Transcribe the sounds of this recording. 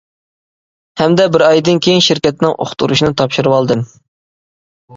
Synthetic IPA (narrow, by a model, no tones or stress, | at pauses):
hɛmd̪ɛbɪɾɑjd̪ɨnkʲʰejiŋʃɪɾkʲɛt̪nɪŋʔo̰χt̪uɾuʃinɨt̪ʰɑpʃuɾɨwɑlˠd̪ɨm